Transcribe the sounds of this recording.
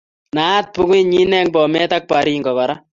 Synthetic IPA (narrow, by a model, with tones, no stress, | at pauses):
nat̪̚pu˦ku˦ɲi˦nɛ˦ŋpɔ˨mɛ˦tak̚paɾi˦ŋɡɔ˨ka˨ɾa˦